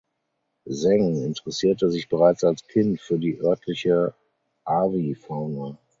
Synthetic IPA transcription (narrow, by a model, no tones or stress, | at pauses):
zɛŋɪntəʁɛsiːɐtəzɪçb̥əʁaɪt͡salskʰɪntfyːɐdiːʔœɐtʰlɪçə | ʔaːvifaːnə